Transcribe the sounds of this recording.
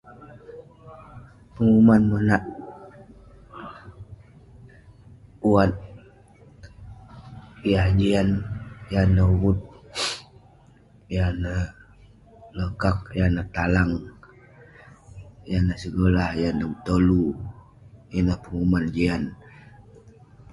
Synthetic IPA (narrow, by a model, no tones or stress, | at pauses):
pəŋumanmənaʔ | uat̪̚ | jahd͡ʒianjanəwut̪̚ | janəh | ləkak̚janəht̪alaŋ | janəsəɡolahjanəut̪olu | janəhpəŋumand͡ʒian